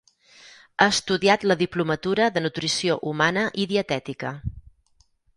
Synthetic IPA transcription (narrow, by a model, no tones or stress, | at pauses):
aəst̪uðiat̪ləðiplumət̪uɾəðənut̪ɾisioʔumanəʔiðiət̪ɛt̪ikə